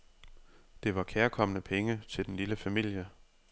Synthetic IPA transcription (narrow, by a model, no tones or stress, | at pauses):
d̥e̝ʋɑ̈kʰeːɐkʰɒ̽m̰ənəpʰeŋət͡sʰe̝ld̥en̩liləfæmil̰jə